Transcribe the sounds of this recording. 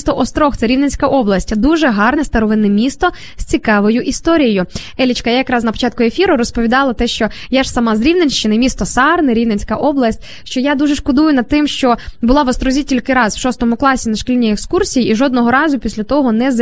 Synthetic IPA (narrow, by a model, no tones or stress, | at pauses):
st̪ɔʔɔst̪ɾɔxt̪sɛɾʲiʋnet͡sʲkɐʔɔblˠɐsʲtʲd̪uʒɛɦɑrnɛst̪ɐɾɔʋɪnɛmʲist̪ɔ | z̥sʲt͡sʲikɑʋɔjʊʔist̪ɔɾʲijjʊɛlʲit͡ʃkɐjajɐkɾɑznɐpɔ̥t͡ʃɑt̪̚kʊefʲiɾʊɾɔspɔʋʲid̪ɑlˠɐt̪ɛʃt͡ʃɔjaʒsɐmɑzɾʲiwnenʲʃt͡ʃɪnɪmʲist̪ɔsɑrnɛɾʲiʋnenʲt͡sʲkɐʔɔblˠɐsʲtʲ | ʃt͡ʃɔjad̪uʒɛʃkɔd̪ujʊnɐd̪̚t̪ɪmʃt͡ʃɔbʊlˠɑʋɔst̪ɾɔzʲitʲilʲkɪɾɑzwʃɔst̪ɔmʊklˠɑsʲinɐʃkʲilʲnʲiekskursʲijiːʒɔd̪̚nɔɦɔɾɑzʊpʲisʲlʲɐt̪ɔɦɔnɛz